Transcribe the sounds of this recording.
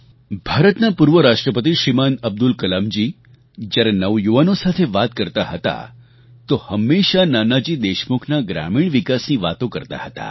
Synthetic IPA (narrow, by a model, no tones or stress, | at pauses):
bʱaɾət̪napuɾʋəɾaʂʈɾəpət̪̬iɕɾimanəb̚d̪ulkəlamd͡ʑiː | d͡ʑaɾenəʋjuʋanosat̪ʰeʋat̪̚kəɾt̪aɦət̪a̰ | t̪ohəmːeɕananad͡ʑiːd̪eɕmukʰnaɡɾa̰miːɳʋikasnĩʋat̪õkəɾt̪a̰hət̪a̰